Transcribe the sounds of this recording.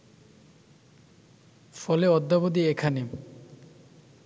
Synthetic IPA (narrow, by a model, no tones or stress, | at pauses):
fɔleɔd̪ːabod̪iekʰani